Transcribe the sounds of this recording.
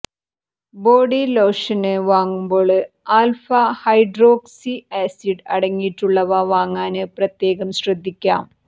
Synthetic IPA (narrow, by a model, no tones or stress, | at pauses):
bo̞ːɽilo̞ːʂɐneʋaːŋːumbo̞ːɭɨ | aːlfɐhɐjɖro̞ːksieːsiɖɐɽɐŋːijʈːuɭːɐʋɐʋaːŋːaːnɨprɐt̪je̞ːɣɐmɕrɐd̪ʱːikʲːa̰ːm